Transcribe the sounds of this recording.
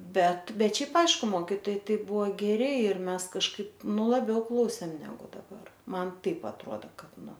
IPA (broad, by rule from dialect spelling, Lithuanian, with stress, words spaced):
ˈbʲɛt ˈbʲɛt ˈʃʲɛɪp ˈɐɪʃkʊ ˈmoːkʲiːtoːjɛɪ ˈtɐɪ ˈbʊʋoː ˈɡʲæːrʲɪ ɪr ˈmʲɛs kɐʃˈkɐɪp ˈnʊ lˠɐˈbʲɛʊ ˈklˠɐʊsʲeːm ˈnʲæːɡʊ dɐˈbɐr ˈmɐn ˈtɐɪp ɐtˈroːdɐ ˈkɐt ˈnʊ